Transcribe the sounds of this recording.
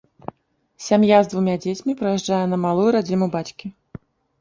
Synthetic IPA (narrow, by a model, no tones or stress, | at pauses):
sʲamjazd̪vumʲad͡zʲet͡sʲmʲipɾɐjɛʐd͡ʐajɛnɐmalˠujuɾad͡zʲinubat͡sʲkʲi